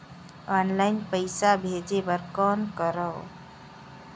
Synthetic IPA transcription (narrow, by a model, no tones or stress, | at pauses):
ɔnlaɪnpəɪsabʱed͡ʒebəɾkɔːnkəɾəw